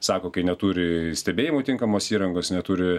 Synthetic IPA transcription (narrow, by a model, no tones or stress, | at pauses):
sɑːkoːkɐɪnʲɛt̪uːɾʲɪsʲt̪ʲɛbʲeːjɪmoːt̪ʲɪŋkɐmoːsiːɾɐŋɡoːsnʲɛt̪uːɾʲɪ